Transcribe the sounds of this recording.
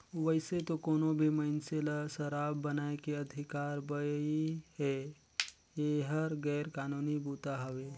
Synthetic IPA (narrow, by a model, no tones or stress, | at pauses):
ʋəɪset̪okoːnobʱimənselasəɾaːbːənaekeəd̪ʱɪkaːɾbəjiɦe | jeɦəɾɡɛːɾkaːnuːnibuːt̪aɦəʋe